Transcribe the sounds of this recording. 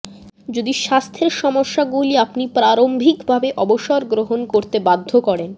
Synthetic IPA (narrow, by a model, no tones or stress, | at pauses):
d͡ʑod̪iʃast̪ʰeɾʃɔmoʃːaɡuliapnipɾaɾombʱikbʱabeʔɔboʃoɾɡɾoɦonkoɾt̪ebad̪ʱːokɔɾen